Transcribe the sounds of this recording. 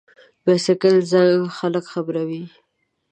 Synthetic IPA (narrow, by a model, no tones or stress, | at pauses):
basɪkəlzaŋɡxaləkxabɾawi